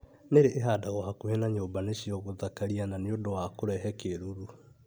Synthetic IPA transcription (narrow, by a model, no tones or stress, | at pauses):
neɾeʔeɦaːdaɣohakuhenaɲoːbaneɕiɔɣoðakaɾiananeondowakoɾɛɦɛkeɾuɾu